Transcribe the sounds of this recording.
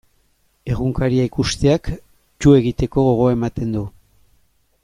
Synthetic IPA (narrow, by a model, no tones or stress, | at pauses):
e̞ɣ̞uŋkaɾiaikust̪e̞ak | t͡ʃue̞ɣ̞it̪e̞ko̞ɣo̞ɣ̞o̞ae̞mat̪e̞nd̪u